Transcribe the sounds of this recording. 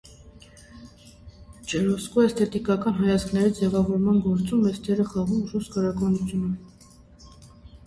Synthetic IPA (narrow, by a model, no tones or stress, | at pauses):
d͡ʒɛɾɔskɔɛst̪ɛt̪ikɑkɑnɦɑjɑt͡skʰnɛɾid͡zɛvɑvɔɾmɑnɡɔɾt͡sumɛst̪ʰɛɾəχɑʁumʒust̪kɑɾɑkɑnut͡sʰjunə